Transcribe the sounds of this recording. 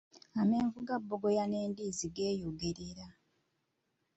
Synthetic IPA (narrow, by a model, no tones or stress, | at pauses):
ame̞ːɱvuɡabːoɡo̞janeːndiziɡeːjoɡeɾiɾa